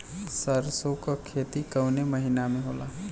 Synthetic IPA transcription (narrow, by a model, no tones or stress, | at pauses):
səɾsokakʰeːt̪ikəwneməɦinamẽɦoːlaɦ